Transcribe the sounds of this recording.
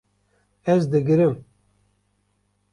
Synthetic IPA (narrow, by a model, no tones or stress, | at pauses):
ɛzd̪ɨɡɨɾɨm